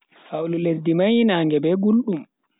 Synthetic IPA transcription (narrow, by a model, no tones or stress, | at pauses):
hawluledːimajinaːŋɡɛbɛɡulɗum